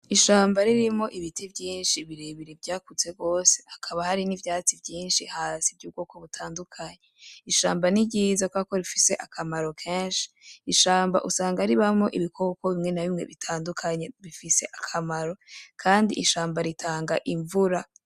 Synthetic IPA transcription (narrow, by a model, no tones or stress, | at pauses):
iʃaːmbaɾiɾimŋo̞ʔiβitibɟiːnʃiβiɾeβiɾibɟaːkut͡se̞ɡo̞ːse̞akʰaβahaɾinivjaːt͡sivjiːnʃihaːsivɟuːb̚ɡo̞ːko̞βutʰaːndukʰaɲeiʃa̰ːmbaniɟiːzakwako̞ɾifise̞ʔakʰamaɾo̞kʰeːnʃi̥iʃaːmba̰ʔusaːŋɡaɾiβamo̞ʔiβikʰokoβimŋe̞naβimŋe̞̰βitʰaːndukʰaɲeβifise̞ʔakʰamaɾo̞kʰaːndḭʔiʃaːmbaɾitʰaːŋɡaʔiɱvuɾa